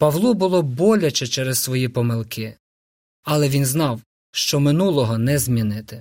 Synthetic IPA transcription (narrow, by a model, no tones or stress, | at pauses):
pɐʋlˠubʊlˠɔbɔlʲɐt͡ʃɛt͡ʃɛɾɛssʋɔjipɔmɪlˠkɪ | ɐlˠɛʋʲinznɑw | ʃt͡ʃɔmɪnulˠɔɦɔnɛzmʲinɪt̪ɪ